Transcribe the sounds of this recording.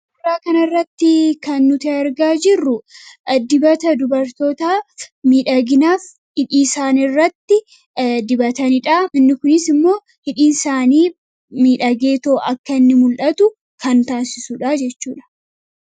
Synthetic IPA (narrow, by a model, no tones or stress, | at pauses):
ɐrːaːkɐnɐrːɐt̪ːɪkɐnːʊt̪eɐɾɡaːd͡ʒɪrːʊd̪ɪbɐt̪ɐd̪ʊbɐɾt̪o̞ːt̪aːmiːᶑɐɡɪnaːf | hɪᶑiːsaːnɪrːɐt̪ːɪ | d̪ɪbɐt̪ɐnɪᶑaːmɪnːɪkʊnɪsɪmːo̞ː | hɪᶑiːnsaːniː | miːᶑɐɡe̞ːt̪o̞ːʔɐkːɐɪnːɪmʊlᶑɐt̪ʊ | kɐnt̪aːsɪsuᶑaːd͡ʒɛt͡ʃːuːᶑɐ̥